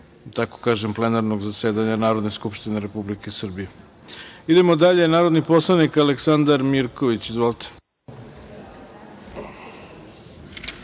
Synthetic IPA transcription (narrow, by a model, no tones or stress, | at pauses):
t̪ako̥kaːʒemplenaɾnoɡzaseːd̪aɲanaːɾo̞d̪ne̞skupʃt̪ineɾepublikesr̩bije | id̪emod̪aʎenaːɾo̞d̪nipo̞slˠanikaleksand̪aɾmiɾko̞ʋit͡ɕizʋoːlˠt̪ʰe̥